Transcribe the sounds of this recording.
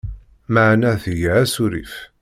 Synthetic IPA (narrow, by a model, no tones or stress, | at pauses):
maʕnæθəjæsuɾḭf